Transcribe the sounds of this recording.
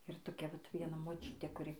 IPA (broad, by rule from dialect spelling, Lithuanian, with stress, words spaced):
ɪr toːˈkʲɛ ʋɐt ʋʲiɛˈnɐ moːˈt͡ʃʲʊtʲeː kʊˈrʲɪ